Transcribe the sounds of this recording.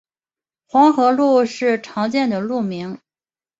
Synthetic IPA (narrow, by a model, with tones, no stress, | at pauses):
xwɑ˧˥ŋxɤ˧˥lu˥˧ʂɻ̩˥˩ʈ͡ʂʰɑ˧˥ŋt͡ɕjɛ˥˩nd̪ə˩lu˥˩mi˧˥ŋ